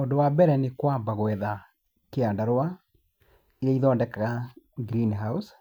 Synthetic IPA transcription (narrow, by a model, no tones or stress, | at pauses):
oːndowabɛɾɛnekwambaɣwɛða | keaːndaɾwa | iɾeiðɔːndɛkaɣaɡɾinɦaus